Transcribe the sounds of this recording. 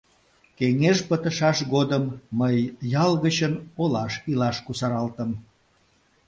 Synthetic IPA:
keŋeʃpət̪əʃɑʃɣod̪əmːəjːɑlɣət͡ɕənolɑʃilɑʃkusɑɾɑlt̪əm

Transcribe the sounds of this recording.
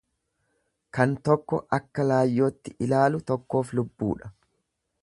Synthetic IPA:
kɐnt̪ɔkːɔʔɐkːɐlaːjːo̞ːt̪ːɪʔɪlaːlʊt̪ɔkːo̞ːflʊbːṵːᶑɐ̥

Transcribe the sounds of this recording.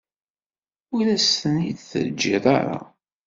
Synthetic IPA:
ʊɾlæstənid̪θə̰ɾd͡ʒːiðˤa̰ɾˤa̰

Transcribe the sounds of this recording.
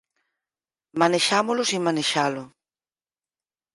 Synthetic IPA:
maneʃamolʊsimaneʃalʊ

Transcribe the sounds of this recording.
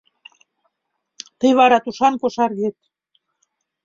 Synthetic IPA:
t̪əjβɑɾɑt̪uʃɑnkoʃɑrɣet̪̚

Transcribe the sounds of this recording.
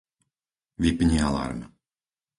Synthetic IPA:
vipɲialˠa̰ɾm

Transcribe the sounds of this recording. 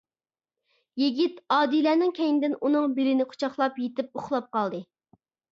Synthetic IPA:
jiɡʲit̪ɑːd̪ilæːnɪŋkʲʰɛjnɪd̪ɪnunɨŋbɪɾɪnɪqʰo̥t͡ʃʰɑχlˠɑpjet̪ɪp̚oχlˠɑp̚qɑlˠd̪ɨ

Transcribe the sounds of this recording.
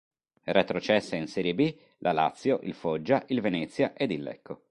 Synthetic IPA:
ret̪ɾot͡ʃɛsːeinsɛːɾjebi | lʔala̰t̪sːjoʔilfod͡ʒːaʔilvenɛt̪sːjaʔed̪ilːɛ̰kʰːo

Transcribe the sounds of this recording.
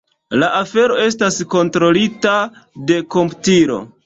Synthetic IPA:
laʔafe̞ɾo̞e̞stasko̞ntɾo̞litade̞ko̞mptiɾo̞̰

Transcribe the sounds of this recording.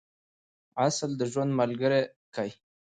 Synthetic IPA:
asld̪əʒwand̪malɡəɾe | kaj

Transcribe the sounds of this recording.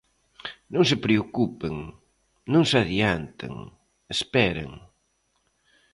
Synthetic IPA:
nõŋs̬epɾeokupeŋ | nõŋsaðjant̪ḛŋ | espɛɾɐ̰ŋ

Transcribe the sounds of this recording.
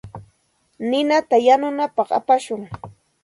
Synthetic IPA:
nɪnat̪ajanʊnapɑχa̰paʃʊŋ

